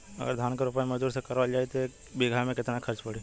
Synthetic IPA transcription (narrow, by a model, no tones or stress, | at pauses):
ɐ̰ɡə̰ɾd̪ʱaːnkaɾʊpaːẽmɐd͡ʒd̪uːɾsekɐɾʋald͡ʒaːet̪e | biɡʱamẽkɪt̪nakʰɐɾt͡ʃpɐɽ̤i